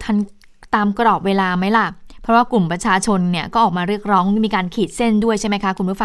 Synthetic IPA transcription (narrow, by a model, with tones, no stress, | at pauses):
t̪ʰa˧˥n | t̪aː˧mkɾɔː˨˩p̚weː˧laː˧ma˦˥jla˧˩pʰɾɔ˦˥waː˥˩klu˨˩mpɾa˧t͡ɕʰaː˧t͡ɕʰo˧nːi˥˩ɐkɔː˥˩ʔɔː˨˩k̚maː˧ɾɯ˥˩ək̚ɾɔː˦˥ŋmiː˧kaː˧nkʰiː˨˩t̪̚se˥˩ndu˥˩əjt͡ɕʰa˥˩jma˦˥jkʰkʰu˧mɾʰu˦˥˩fa˧